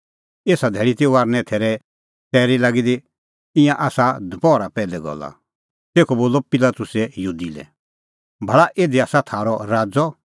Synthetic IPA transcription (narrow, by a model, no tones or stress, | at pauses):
eːsad̪ʱɛːɭit̪euaːɾnɛ̃t̪ʰɛːɾɛ | tɛːɾilaːɡid̪i | ɪ̃jãʔaːsad̪ʱpɔːɾapɛːlɛɡɔ̰la̰ | t̪eːkʰɔboːlɔpɪlat̪ʊsɛjud̪ilɛ̰ | bʱɐɭaʔeːd̪iaːsat̪ʰaːɾɔɾaːd͡zɔ